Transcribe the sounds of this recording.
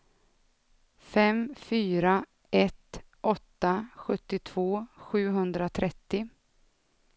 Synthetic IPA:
fɛmfyːɾa | ɛt̪ | ʔɔt̪ːaɧɵt̪ːɪt̪ʰv̥oːɧʉ̟ːɦɵnd̪ɾat̪ʰɾɛt̪ːɪ

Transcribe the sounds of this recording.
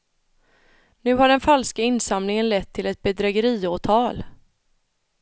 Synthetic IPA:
nʉ̟ːɦaɖɛnfalskaɪnsamnɪŋənlɛt̪ʰːɪlɛt̪̚bɛd̪ɾɛɡəɾiːoːʈʰɑːl

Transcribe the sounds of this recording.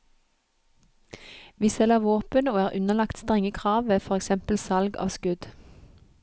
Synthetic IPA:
ʋiːsɛləʋoːpənoːæːʁʔʉnəlɑkt̪st̪ʁɛŋəkʰʁɑːʋʋeːfɔʁɛksɛmpəl̩sɑlɡɑ̰ːʋskʉd̪

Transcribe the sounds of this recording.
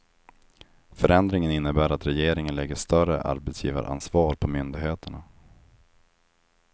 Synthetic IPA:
fœɾɛnd̪ɾɪŋənɪnːəbæːɾat̪ɾɛjeːɾɪŋənlɛɡːəʂt̪œrə̰ʔa̰ɾbɛt̪sjḭːva̰ɾʔa̰nsvɑːɾpʰɔmʏnd̪ɪɡɦeːt̪əɳa

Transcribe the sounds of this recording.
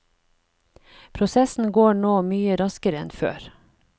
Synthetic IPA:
pʰɾʊsɛsn̩ɡoːɳoːmyːəɾɑskəɾəɛnfø̰ːɾ

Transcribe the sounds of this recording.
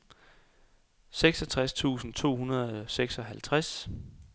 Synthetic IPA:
seɡ̥sɒ̽t͡sʰʁast͡sʰṵːsn̩t͡sʰo̝̰ːhunɐðˠɒseɡ̥sɒ̽ɦælt͡sʰʁas

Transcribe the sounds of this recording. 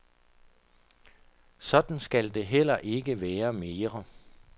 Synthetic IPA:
sɒ̽d̥n̩sɡ̥æld̥e̝ɦel̰ɐʔe̝ɡ̥əʋɛːɐme̝ːʁɐ

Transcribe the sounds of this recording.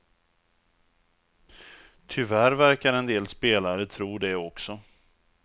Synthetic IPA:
t̪ʰʏvæɾvæɾkaɾɛnd̪eːlspeːlaɾət̪ʰɾuːd̪ɛɔksɔ

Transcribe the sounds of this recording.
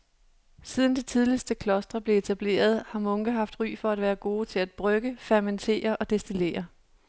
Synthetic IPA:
sið̞ˠn̩d̥it͡sʰið̞ˠlisd̥əkʰlɒ̽sd̥ʁɐb̥le̝et͡sʰæb̥le̝̰ːɐð̞ˠhɑ̈mɔ̽ŋɡ̥əɦɑ̈fd̥ʁy̰ːfɒ̽æd̥ʋæːɐɡ̥o̝ːt͡sʰe̝læd̥̚b̥ʁœɡ̥əfæɐment͡sʰe̝̰ːɐʔɒ̽d̥e̝sd̥ile̝̰ːɐ

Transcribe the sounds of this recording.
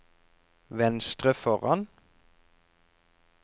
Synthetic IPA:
ʋɛnst̪ʁəfɔʁɑn

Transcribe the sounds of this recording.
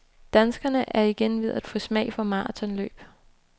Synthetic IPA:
d̥ænsɡ̥ɐnəʔæɐiɡ̥enʋe̝ð̞̰ˠæd̥fɔsmɛ̰ɪfɒmɑ̈ːt͡sʰɒ̽nlø̰ːb̥

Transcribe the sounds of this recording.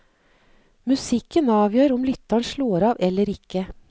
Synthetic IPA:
mʉsɪkənɑːʋjøːɾʊmlʏt̪ɑɳʃloːɾɑːʋɛləɾɪkə

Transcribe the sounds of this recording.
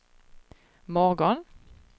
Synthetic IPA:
mɔʁɡɔn

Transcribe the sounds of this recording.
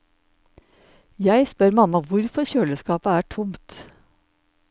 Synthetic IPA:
jæɪspœɾmɑmɑʋʊɾfɔçøːləskɑːpəæːʈʰʊmt̪

